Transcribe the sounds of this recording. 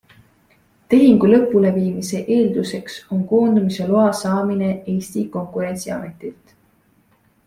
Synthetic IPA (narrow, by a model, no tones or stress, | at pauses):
t̪e̞ɦiŋɡ̥ulɤ̞pˑːule̞viːmise̞ʔe̞ːld̪̥use̞kso̞ŋko̞ːnd̪̥umise̞loɑsɑːmine̞e̞ːsʲt̪iko̞ŋkuɾe̞nʲsiɑ̰me̞t̪ˑilt̪